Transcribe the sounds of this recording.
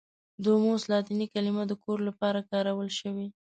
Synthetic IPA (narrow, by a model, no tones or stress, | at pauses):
d̪omoslɑt̪ɪnikalimad̪əkoɾlapɑɾakɑɾawəlʃəwi